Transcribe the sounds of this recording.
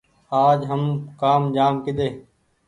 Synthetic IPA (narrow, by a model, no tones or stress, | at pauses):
aːd͡ʒɦəmkaːmd͡ʒaːmkɪɗ̪eː